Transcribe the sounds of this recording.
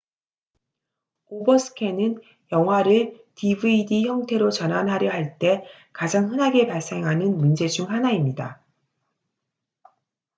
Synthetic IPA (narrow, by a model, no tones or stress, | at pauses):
obʌsʰɯ̥kʰe̞nɯn | jʌŋɦwaɾɯɭ | tibɯidiçjʌŋtʰe̞ɾot͡ɕʌnɦanɦaɾjʌɦaɭt͈e̞ | kad͡ʑaŋɸɯnɦaɡe̞paɭs͈e̞ŋɦanɯnmund͡ʑe̞d͡ʑuŋhanaimɲida